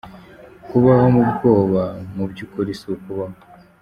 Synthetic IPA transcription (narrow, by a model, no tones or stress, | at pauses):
kuβahomubɡo̞ːβamubɟukoɾisiukuβaho